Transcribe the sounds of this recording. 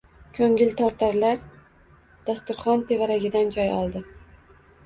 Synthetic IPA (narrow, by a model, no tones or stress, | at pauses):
kʲʰɵŋɪlt̪ʰɒɾt̪ʰaɾlaɾ | d̪̥ast̪ʊɾχɒnt̪ʰe̞vaɾaɡʲɪd̪and͡ʒɒjɒ̰lˠd̪ɪ